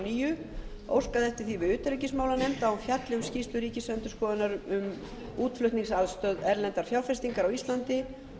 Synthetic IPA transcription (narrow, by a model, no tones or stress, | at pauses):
niːjʏ | o̰wskaðɛft̪ɪ̥ɾ̥θivɪʏːt̪ɾicɪsmaːwlanɛjmt̪awɛfjat̪lɪʏmscist̪ʏɾiːcɪsœnt̪ʏskɔːðɪnaɾʏm | uːt̪flœht̪niŋsaðst̪œːðɛɾlɛnt̪aɾ̥fjawlfɛst̪iŋkaɾawist̪lant̪ɪ